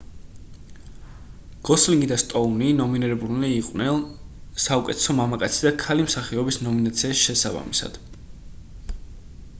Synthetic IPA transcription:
ɡ̥ɔsliŋɡid̪ast̪ʼɔninɔminiɾɛbuliːqʼwnɛnsaukʼɛ̰t̪ʰɛ̥sɔmamakʼa̰t̪sʰid̪akʰalimsaχiɔbisnɔminat̪sʰiaʃʃɛsaba̰misa̰d̪̥

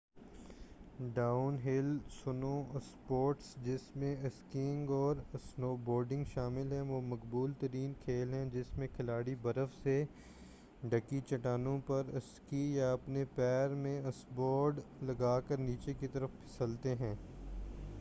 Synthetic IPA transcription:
ɖaːʊnɦɪlsʊnõspoːɾʈsd͡ʒɪsmẽɐskĩŋɡɔːɾsnoːbɔːɾɖɪ̃ŋɡʃaːmɪlɦɛ̃ʋoːmɐkbuːlt̪ɐɾiːnkʰeːlɦɛ̃d͡ʒɪsmẽkʰɪlaːɽibɐɾəfse | ɖɐkit͡ʃɐʈaːnõpɐɾɐskijaɐpnepɛːɾmẽɐsbɔːɾɖlɐɡaːkəɾniːt͡ʃekit̪ɐɾəfpʰɪ̥səlt̪eɦɛ̃ː

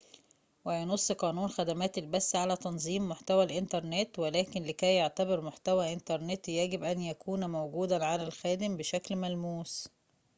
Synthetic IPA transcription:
wɪjenosˤːqɑːnuːnxæd̪æmæːt̪elbæsːʕalæt̪ɑnzˤiːmːoħt̪æwælʔɪnt̪ɑɾˤnet̪welæːkɪnlɪkæjːeʕt̪æbeɾmoħt̪æwæʔɪnt̪ɑɾˤnet̪jæɡɪbʔænjækuːnmowɡuːd̪æʕalælxæːd̪ɪmbɪʃæklmælmuːs

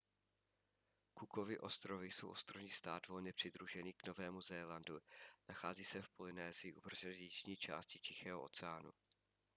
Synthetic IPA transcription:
kukovɪʔo̞st̪ɾovɪjso̞̰wʔo̞st̪ɾovɲiːst̪aːd̪vo̞lɲɛpr̝̥ɪd̪ɾuʒɛniːkno̞vɛːmuzɛlandunaxaːziːsɛfpolɪnɛːzɪɪʔupr̩zt͡ʃɲiːt͡ʃa̰ːscɪt͡ʃɪxɛːɦoo̰t͡sɛaːnṵ

